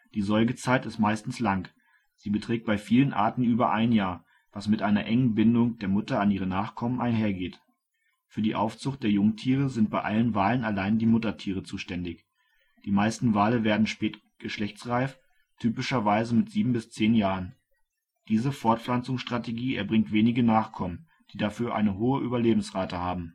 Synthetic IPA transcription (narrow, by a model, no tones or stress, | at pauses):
d̥iːzɔɪɡət͡saɪtɪstmaɪstn̩slaŋ | z̥iːbətʁ̥ɛːk̚t̚b̥aɪfiːlənʔa̰ːɐtn̩yːbɐʔaɪnjaːɐ | v̥asmɪtʔaɪnɐʔɛŋənbɪndʊŋd̥eːɐmʊtɐanʔiːʁ̞ənaːχkʰɔmənʔa̰ɪnɦeːɐɡeːt | fyːɐdiːʔa̰ʊft͡sʊχtd̥eːɐjʊŋtʰiːʁ̞əzɪnt̚b̥aɪʔalənvaːlənalaɪndiːmʊtɐtʰiːʁ̞ət͡suːʃtɛndɪç | d̥iːmaɪstn̩vaːləveːɐdn̩ʃpɛːtɡ̥əʃlɛçt͡sʁaɪf | tʰyːpɪʃɐvaɪzəmɪtz̥iːbm̩bɪst͡seːnjaːʁən | d̥iːzəfɔɐtflant͡sʊŋsʃtʁ̥ateɡiːɛ̰ɐbʁɪŋtv̥eːnɪɡənaːχkʰɔmən | d̥iːdafyːɐʔa̰ɪnəɦoːəʔyːbɐleːbm̩sʁaːtəhaːbm̩